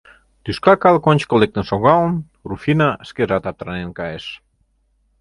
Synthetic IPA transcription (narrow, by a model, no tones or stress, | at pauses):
t̪yskakalkonʲt͡ʃkolek̚t̪esoɣawn | rufinaskezat̪at̪ɾanenkaes